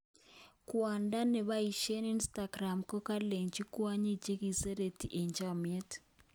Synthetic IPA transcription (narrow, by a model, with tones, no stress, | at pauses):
kwa˨nda˦ne˨βa˦i˨ʃe˦ni˦nsta˨ɡɾa˨mko˦ka˦le˨ɲd͡ʒi˦kwa˦ɲi˦d͡ʒe˦ɣi˨se˦ɾe˨ti˨ʔe˨ɲd͡ʒamie˦t